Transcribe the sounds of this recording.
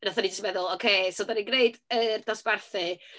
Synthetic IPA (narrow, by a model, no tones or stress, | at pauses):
naθanid͡ʒəstmɛðʊlˠɔkʰeːsodaniɡneɨdərd̥ɔsb̥arθɨ